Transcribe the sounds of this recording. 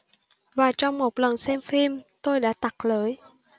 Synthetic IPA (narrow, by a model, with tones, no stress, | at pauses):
vaː˨˩t͡ɕɔ˧wŋ͡mmo˨˩t̚lə˨˩nsɛ˧mfi˧mt̪o˧jɗa̰ː˧˥t̪a˨˩k̚ləː˨˦j